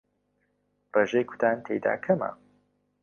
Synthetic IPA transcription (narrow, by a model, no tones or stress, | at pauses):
reːʒejkʰu̥t̪ʰaːnt̪ʰḛjd̪a̰ːkʰɐma̰